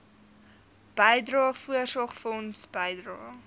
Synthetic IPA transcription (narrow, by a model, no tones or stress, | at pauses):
b̥əjdrɑːfuərsɑχfɔnsb̥əjdrɑː